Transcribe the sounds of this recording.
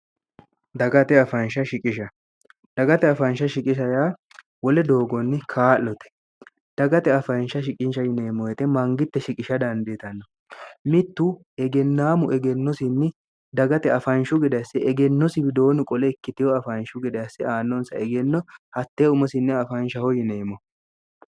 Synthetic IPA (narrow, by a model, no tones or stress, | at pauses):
d̪ɐɡɐt̪ɛɐfɐnʃɐʃɪkʼɪʃɐ | d̪̥ɐɡɐt̪ɛɐfɐnʃɐʃɪkʼɪʃɐjaː | wɔlɛd̪o̞ːɡɔnːɪkʰaːlːɔt̪ɛ̥ | d̪̥ɐɡɐt̪ɛɐfɐnʃɐʃɪkʼɪnʃɐjɪneːmɔjɛt̪ɛmɐŋɡɪt̪ːɛʃɪkʼɪʃɐd̪ɐnd̪et̪ɐnːɔ | mɪt̪ːʊ | ɛɡɛnːaːmʊʔɛɡɛnːɔsɪnːɪ | d̪ɐɡɐt̪ɛɐfɐnʃʊɡɪd̪ɐjsːɪʔɛɡɛnːɔsɪbɪd̪o̞ːnʊkʼɔlɛɪkːɪt̪ɪjɔɐfɐnʃʊɡɪd̪ɐjsːɪaːnːɔnsɐɛɡɛnːɔhɐt̪ːeːʊmɔsɪnːɛɐfɐnʃɐhɔjɪneːmɔ